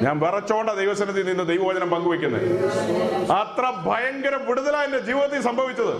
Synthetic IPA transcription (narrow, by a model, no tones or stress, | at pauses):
ɲaːnʋɐrɐt͡ɕːoːɳɖad̪ejʋɐsɐnɐt̪̬ːinind̪ɨd̪ejʋɐʋɐd͡ʑɐnɐmpɐŋɡuʋɐkʲːunːɐ̰ | ɐt̪rɐbʱɐjɐŋɡɐɾɐmʋiɽuðɐlaːjinded͡ʑiːʋiðɐt̪ːisɐmbʱɐʋit͡ɕːɐðɨ